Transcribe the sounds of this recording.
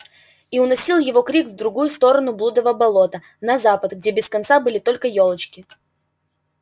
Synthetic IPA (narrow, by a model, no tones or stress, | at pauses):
iʊnɐsʲilˠjɪvo̞kɾʲikvd̪ɾʊɡujʊst̪o̞ɾənʊblˠud̪əvəbɐlˠo̞t̪ə | nɐzapət̪ɡ̚dʲe̞bʲɪskɐnt̪sabɨlʲɪt̪o̞lʲkəjo̞lˠət͡ɕkʲɪ